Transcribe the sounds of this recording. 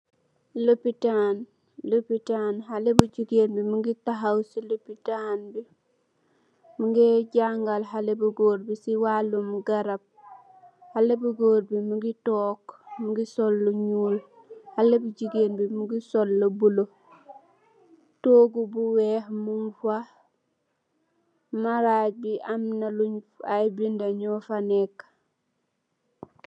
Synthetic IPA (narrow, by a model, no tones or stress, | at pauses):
lopitan | lopitanɦalebuɟiɡenbimuŋɡitaɦawsilopitanbi | muŋɡeɟaŋɡalɦalebuɡoːɾbisiwalumuɡaɾab̚ | halebuɡoːɾbimuɡitoːkmuɡisolːuɲuːl | halebuɟiɡenbimuɡisolːobulo | toːɡubuweːhmumfa | maɾaːɟ̚biʔamnaluɲajbindaɲofanek